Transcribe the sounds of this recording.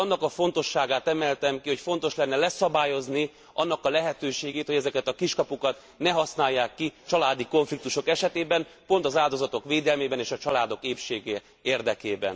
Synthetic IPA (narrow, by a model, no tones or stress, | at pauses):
ɒnːɒkɒfo̞nt̪o̞ʃːaːɡaːt̪ɛmɛlt̪ɛmkiho̞cfo̞n̪t̪o̞ʃlɛn̪ːɛlɛsɒbaːjo̞zni | ɒnːɒkɒlɛɦɛt̪øːʃeːɡeːt̪hoɟɛzɛkɛt̪ɒkiʃkɒpukɒt̪ | nɛɦɒsnaːjːaːkːit͡ʃɒlaːd̪iko̞ɱflik̚t̪uʃo̞kɛʃɛt̪eːbɛnpo̞nt̪ɒzaːld̪o̞zɒt̪o̞kʋeːd̪ɛlmeːbɛneːʃɒt͡ʃɒlaːd̪o̞keːpʃeːɡɛ | eːrd̪ɛkeːbɛ̰n